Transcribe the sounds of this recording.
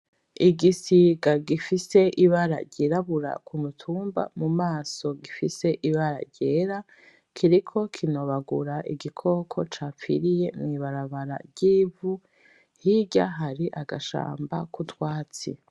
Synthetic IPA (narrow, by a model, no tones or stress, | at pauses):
iɡisiɡaɡifise̞ʔiβaɾa̰ɟiɾaβuɾa̰kʰumutʰuːmba̰mumaːso̞ɡifise̞ʔiβaɾa̰ɾɟeːɾa | kʰiɾikʰo̞kʰinoβaɡuɾaʔiɡikʰo̞ːkʰo̞t͡ʃaːpfḭɾije̞mŋiβaɾaβaɾa̰ɟiːvu | hiɟa̰ɦaɾiʔaɡaʃa̰ːmba̰kutwaːt͡sḭ